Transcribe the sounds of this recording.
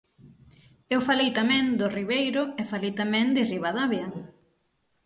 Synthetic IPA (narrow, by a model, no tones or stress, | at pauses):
ewfalejt̪amɛ̃ŋd̪ʊriβejɾʊefalejt̪amɛ̃ŋd̪ɪriβaðaβjɐ